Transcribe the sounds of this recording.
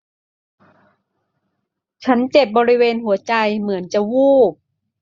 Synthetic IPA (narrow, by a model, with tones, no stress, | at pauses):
t͡ɕʰa˦˥nt͡ɕe˨˩p̚bɔː˧ɾi˦˥weː˧nhu˩˦ɐt͡ɕa˧jmɯ˩˦ənt͡ɕa˨˩wuː˥˩p̚